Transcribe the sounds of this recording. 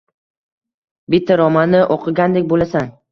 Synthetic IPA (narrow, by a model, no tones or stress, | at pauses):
bɪt̪ʰːaɾɒmanːɪʔoqʰɨɡʲand̪ek̚ʲbolasan